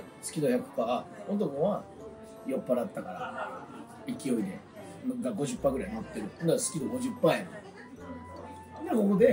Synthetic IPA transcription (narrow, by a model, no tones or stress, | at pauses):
sɨ̥kʲid̪oçakɯ̥pːaːot̪̬okoβa | jo̞pːaɾat̪ːakaɾa̰ | ikʲio̞id̪e̞̰ | ɡaɡo̞ʑɨpːaːɡɯɾainot̪ːe̞ɾɯ̟nd̪asɨ̥kʲid̪o̞ɡo̞ʑɯpːaːjano | d̪eko̞ko̞d̪e̞